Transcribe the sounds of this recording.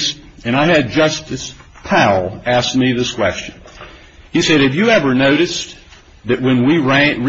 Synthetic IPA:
s | ɨ̃ɾ̃aɪɨd̚d͡ʒʌstɨspʰaʊlˠæsk̚miðɪskʰw̥ɛ̰st͡ʃɨ̃n | isɛd̚hɨvjɨɛvə˞noʊɾɨs | ðɨʔ̚wɨ̃nwiɹæ̃ɹ

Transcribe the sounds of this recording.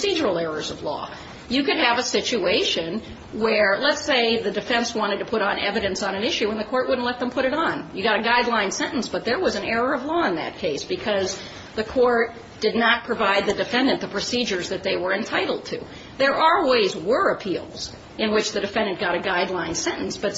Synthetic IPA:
sid͡ʒə˞l̩ˠɛɹə˞zʌvlɔ̰ | jɨkɨd̚ɨvəsɪt͡ʃʉeɪʃɨ̃n | wə˞lətseɪðɨdɨfɛ̃nswɑ̃ɾ̃ɨd̚tʰɨpʰʊɾn̩ɛ̰vɨɾɨ̃nsn̩ɨ̃nɪʃʉə̃nðɨkʰɔɹʔ̚wʊdⁿn̩tlɛt̪̚ðə̃mpʰʊɾɨɾn̩jɨɡɑɾɨɡaɪdˡlãɪ̃nsɛ̃ñʔn̩sb̥ʌt̪̚ðə˞wʌzɨ̃nɛɹə˞ʌvlɔə̃nðɨ̰t̚kʰeɪsb̥ɨkʰʌz | ðɨkʰɔɹt̚ | d̥ɨdⁿnət̚pʰɹ̥ɨvaɪd̪̚ðɨdɨfɛ̃ndɨ̃nðəpʰɹ̥ɨsid͡ʒə˞zðɨt̪̚ðeɪwə˞ɨ̃ntʰaɪɾl̩ˠd̚tʰʉ | ðə˞ʔəweɪzwə˞ɨpʰilˠz̥ | ɨ̃nwɨt͡ʃðɨdɨfɛ̃ndɨ̃nɡ̥ɑɾɨɡaɪdˡlãɪ̃nsɛ̃ñʔn̩sb̥ʌt

